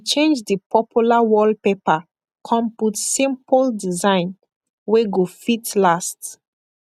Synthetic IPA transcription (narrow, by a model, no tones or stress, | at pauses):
t͡ʃẽnd͡ʒdipʰɔpʰjulawɔlpepa | kʰɔ̃mputsĩmpəldizãɪ̃n | weɡofitlast